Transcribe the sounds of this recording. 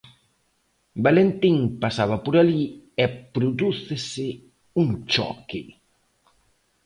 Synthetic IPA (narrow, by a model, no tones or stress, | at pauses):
balent̪iŋpasaβɐpoɾaliɛpɾoðuθɪsɪ | uŋt͡ʃɔ̰kɪ